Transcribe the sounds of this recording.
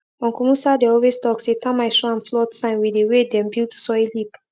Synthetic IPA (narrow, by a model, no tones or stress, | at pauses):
ɔ̃nkɔmusadɛɔwestɔksetãmaɪʃɔãnflɔtsãɪ̃nwidewedɛ̃mbiltu̥sɔilip